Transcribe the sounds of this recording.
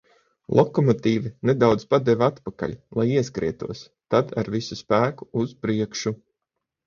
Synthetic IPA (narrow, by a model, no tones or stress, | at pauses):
lˠʔɔkɔmɔt̪iːvined̪awd̪zpad̪ɛvʲat̪paka̰ʎʲlˠajiɛskɾḭɛt̪ṵɔs | t̪ad̪a̰ɾvisuspæːku̥uz̥pɾiɛkʃu